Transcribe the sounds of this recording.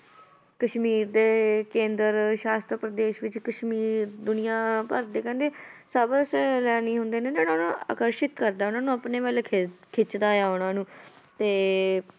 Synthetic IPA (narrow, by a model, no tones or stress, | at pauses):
kəʃmiːɾd̪eːkẽːnd̪əɾʃaːst̪ɾəpɾəd̪eːʃʋɪt͡ʃkəʃmiːɾd̪ʊnɪjãːpəɾd̪eːkɛ̃ːnd̪eːsəbslɛːniːɦʊnd̪eːneːd͡ʒ̪enaːnãːa̰ːkəɾʃɪt̪kəɾd̪aːʊnãːnũːəpneːʋaːlekʰkʰɪt͡ʃd̪aːjaːʊnãːnũː | t̪eː